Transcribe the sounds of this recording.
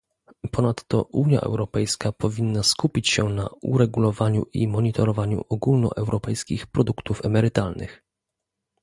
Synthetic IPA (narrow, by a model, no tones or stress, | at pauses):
pɔnat̪ːɔ̰ʔuɲja̰ʔɛ̰wɾɔpɛjskapɔvʲinːaskupʲit͡ɕɕɛna̰uɾɛɡulɔvaɲuʔimɔɲit̪ʰɔɾɔvaɲṵʔɔɡulnɔ̰ʔɛwɾɔpɛjskʲixpɾɔd̪ukt̪ufɛmɛɾɘt̪alnɘ̰x